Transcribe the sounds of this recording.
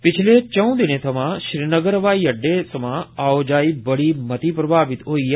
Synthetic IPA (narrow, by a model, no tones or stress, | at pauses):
pɪt͡ʃʰlet͡ʃə̃ũd̪ɪnet̪ʰəmãʃɾiːnəɡəɾʋaːiəɖːesəmãaːod͡ʒaːibəɽimət̪iːpɾəbʱaːʋɪt̪ɦoiː